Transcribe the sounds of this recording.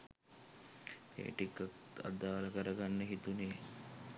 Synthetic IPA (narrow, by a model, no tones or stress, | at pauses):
ḛːʈikːək̚ | a̰d̪ːaːləkəɾəɡanːəɦit̪uneː